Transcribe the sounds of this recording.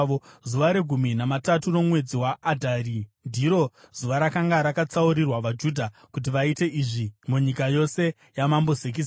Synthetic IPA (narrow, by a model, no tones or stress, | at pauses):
ozuʋaɾeɡʱuminamataturo̞mwe̞d͡ziwaːdʱarindiɾo̞z̥uʋaɾakaŋɡaɾakat͡sauɾirwaʋad͡ʒudʱa | kut̬iʋaite̞ʔiʐimuɲikajo̞se̞ | jamambo̞zek̬is